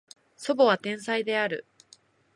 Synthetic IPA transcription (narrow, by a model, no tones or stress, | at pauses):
so̞bo̞βat̪ẽ̞ɰ̃said̪e̞aɾɯ̟̰